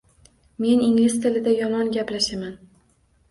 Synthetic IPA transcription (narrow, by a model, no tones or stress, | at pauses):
me̞niŋlɪst̪ʰɪlɪd̪ajɒmɒnɡʲaplaʃaman